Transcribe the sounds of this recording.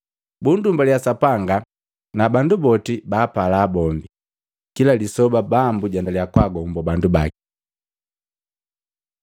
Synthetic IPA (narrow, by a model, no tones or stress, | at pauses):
bundumbaljasapaŋɡa | nabandubɔtibaːpalaːbɔmbi | kilalisɔbabambuɟandalijakwaɡɔmbɔbandubaki̥